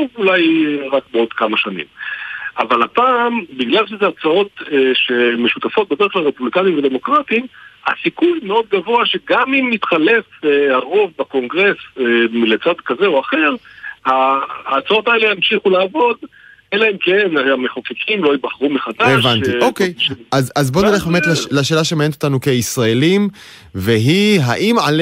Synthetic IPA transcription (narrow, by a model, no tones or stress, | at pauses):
ovulajʁakbeo̞d̪kamaʃanḭmavalapaːmbiɡlalʃezeat͡sao̞t̪ʃemeʃut̪afo̞t̚bedχklalʁepublikanimved̪e̞mo̞kʁatimasikujmeo̞d̪̚ɡavo̞aʃe̞ɡamimːit̪χale̞faʁo̞vbako̞ŋɡʁe̞smilet͡sad̪kazeoaχe̞ʁhaːt͡sao̞taeleamʃiχulaːvo̞d̪ | elaemkenaameχokekʰimlo̞ibaχʁumeχad̪aeʃvaniokjazazbo̞neleχbemetlelaʃe̞ːlaʃemaenetot̪anuke̞isʁaelim | veɦiɦaʔima̰l